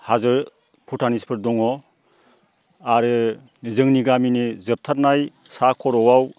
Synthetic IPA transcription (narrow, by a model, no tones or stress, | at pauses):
hazɯɾ | pʰutʰanispʰɯɾdɔŋɔ | aɾɯ | zɯŋniɡaminizɯp̚tʰat̚naj | sakʰɔɾɔwaw